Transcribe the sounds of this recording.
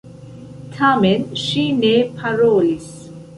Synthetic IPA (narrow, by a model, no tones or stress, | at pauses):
t̪ʰamɛnʃineːpʰɐɾɔːlis